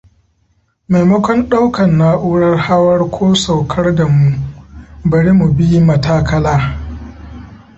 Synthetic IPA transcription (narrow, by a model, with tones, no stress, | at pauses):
ma˨jmɐ˦kʷɔ˦nɗa˦wkɐ˨nːaː˦ʔuː˦ɽɐ˦rha˦wɐ˦rkʷʰoː˦sa˨wkʰɐ˦rda˨mu˦ʔbɐ˨ɽi˦mu˨bi˦jmɐ˨taː˦kɐ˦laː˦